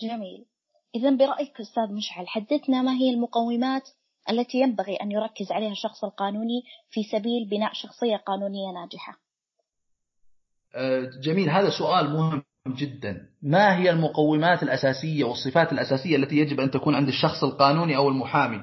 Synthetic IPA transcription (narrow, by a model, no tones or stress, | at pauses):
d͡ʒamiːl | ʔɪðanbɪɾˤɑʔjɪkʔʊst̪aːðmɪʃʕalħad̪ːɪθnamaɦɪjːalmʊqɑwːɪmaːt̪ | ʔalːat̪ijambaɣiʔanjʊɾˤɑkːɪzʕaleːhaʃɑxsˤɪlqɑːnuːnifisabiːlbɪnaːʔʃɑxsˤɨjːaqɑːnuːnɪjːanaːd͡ʒɪħa̰ | d͡ʒamiːlɦaːðasʊʔaːlmʊhɪ | mːd͡ʒɪd̪ːanmaɦɪjːalmʊqɑwːɪmaːt̪ɪlʔasaːsɪjːawɨsˤːɨfaːt̪ɪlʔasaːsɪjːaʔlːat̪ijad͡ʒɪbʔant̪akuːnʕɪnd̪ɪʃːɑxsˤɪlqɑːnuːniʔawɪlmʊħaːmi